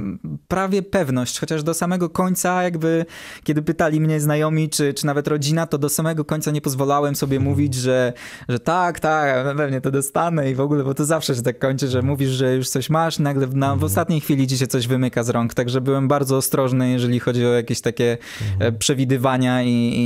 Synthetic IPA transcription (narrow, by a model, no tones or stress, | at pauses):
pɾavʲjɛpɛvnɔɕt͡ɕxɔt͡ɕaʐd̪ɔsamɛɡɔkɔɲt̪sajaɡbɘkʲɛd̪ɘpɘt̪alʲimɲɛznajɔmʲit͡ʂɘt͡ʂɘnavɛt̪ɾɔd͡ʑinat̪ɔd̪ɔsamɛɡɔkɔɲt̪saɲɛpɔzvɔlawɛmsɔbʲjɛmuvʲid͡ʑʐɛʐɛt̪akt̪akpɛvɲɛt̪ɔd̪ɔst̪anɛivɔɡulɛbɔt̪ɔzafʂɛɕɛt̪akːɔɲt͡ʂɘʐɛmuvʲiʐʐɛjuʂt̪sɔɕmaʂnaɡlɛnavɔst̪at̪ɲejxfʲilʲid͡ʑiɕajt̪sɔʑvɘmɘkazɾɔŋkt̪aɡʐɛbɘwɛmbaɾd̪zɔːst̪ɾɔʐnɘjɛʐɛlʲixɔd͡ʑiɔjakʲeɕt̪akʲɛ | pʂɛvʲid̪ɘvaɲai